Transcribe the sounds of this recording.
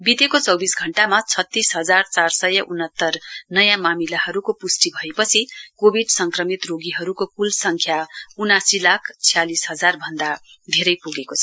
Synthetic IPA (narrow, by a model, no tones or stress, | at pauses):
bid̪ekot͡sʌwbisɡʱʌɳʈamat͡sʰʌt̪ːisɦʌd͡zart͡sarsʌjʌʔunʌt̪ːʌrnʌjãmamilahʌɾukopusʈibʱʌepʌt͡sʰikobʱiɖsʌŋkrʌmit̪roɡiɦʌɾukopulsʌŋkʰjaunasilakʰt͡sʰijalisɦʌd͡zarbʱʌnd̪a | d̪ʱeɾʌjpuɡekot͡sʰʌ